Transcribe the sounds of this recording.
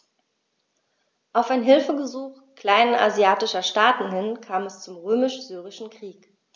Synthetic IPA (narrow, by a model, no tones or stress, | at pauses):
ʔaʊfaɪnɦɪlfəɡəzuːχ | kl̥aɪnəa̰zjaːtɪʃɐʃtaːtn̩hɪnkʰaːmɛst͡sʊmʁøːmɪʃz̥yːʁ̞ɪʃn̩kʁ̥iːk